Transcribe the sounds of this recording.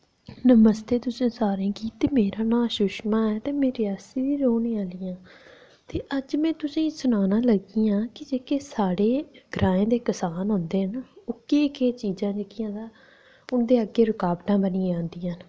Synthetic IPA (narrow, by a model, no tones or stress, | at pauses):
nəməst̪eːt̪ʊsĩːsaːɾẽːkiːt̪eːmeːɾaːnaːʃʊʃmãːɛːt̪eːmeːɾeaːsiːʋiːɾoːnẽːaːliːãː | t̪eːʔəd͡ʒmɛ̃ːt̪ʊsĩːsʊnaːnãːləɡiːãːkɪd͡ʒeːkeːsaːɽeːɡɾʔaːẽːd̪eːkəsaːnɦʊ̃nd̪eːɦənʊkeːkeːt͡ʃiːzãːd͡ʒeːkɪjãːd̪aː | ʊnd̪eːəɡːeːɾʊkaːbʈãːbənĩːd͡ʒãːnd̪iːən